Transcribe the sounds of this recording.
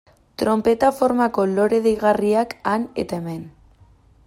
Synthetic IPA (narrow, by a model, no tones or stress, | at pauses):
t̪ɾo̞mpe̞t̪afo̞ɾmako̞lo̞ɾeðejɣ̞ariakanḛt̪aemen